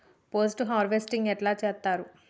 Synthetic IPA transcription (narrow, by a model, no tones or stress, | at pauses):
poːs̬ʈuɦaːɾʋesʈiŋɡɛʈlaːt͡ʃɛːt̪ːaːɾu